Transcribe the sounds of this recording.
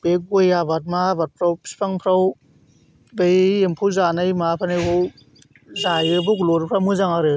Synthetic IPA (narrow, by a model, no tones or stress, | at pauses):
bek̚ɡojabat̚mabat̚pʰɾawpʰi̥spʰaŋpʰɾaw | bejempʰɯwzanajmapʰanajbɯw | zajɯboɡloɾɯpʰɾawmɯzaŋaɾɯ